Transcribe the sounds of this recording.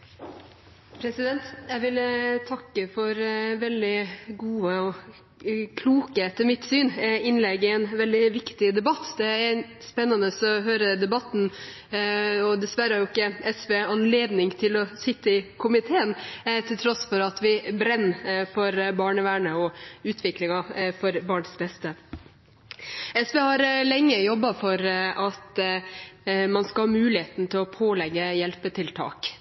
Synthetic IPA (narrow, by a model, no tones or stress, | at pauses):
pʰɾɛsɪd̪ɛnt̪jæɪʋɪlt̪ʰɑkːəfɔɾʋɛld̪ɪɡuːəɔ | kʰluːkəɛt̪ːəmɪt̪syːnɪnlɛɡɪɛnʋɛld̪ɪʋɪkt̪ɪd̪ɛbɑt̪ːd̪ɛæɾspɛnːənəsɔɦøːɾəd̪ɛbɑt̪ːn̩ | ɔd̪ɛsʋæɾəhɑɾjʊɪkːəɛsʋeːɑnleːd̪nɪŋt̪ʰɪlɔsɪt̪ːəɪkʰʊmɪt̪ʰeːənt̪ʰɪlt̪ʰɾɔsfɔɾɑt̪ʋɪbɾɛnːfɔɾbɑːɳəʋæːɳəɔʉːt̪ʰʋɪklɪŋɑfɔɾbɑːɳsbɛst̪ə | ɛsʋeːhɑɾlɛŋːəjɔbːɑfɔɾʔɑt̪ | mɑnskɑlhɑːmʉːlɪheːt̪n̩t̪ʰɪlɔpʰoːlɛɡːəjɛlpət̪ʰɪlt̪ʰɑ̰ːk